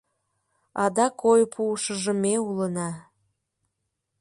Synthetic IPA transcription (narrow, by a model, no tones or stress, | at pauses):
ɑd̪ɑkʰojpʰuəʃəʒəmeulənɑ